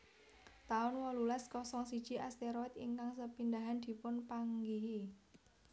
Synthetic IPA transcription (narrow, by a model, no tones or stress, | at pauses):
t̪aʊnwɔlulaskɔsɔŋsid̥ʒ̥iʔast̪eɾɔɪt̪ḭŋkaŋsəpind̪aɦand̪̥i̤pʊnpaŋɡiɦi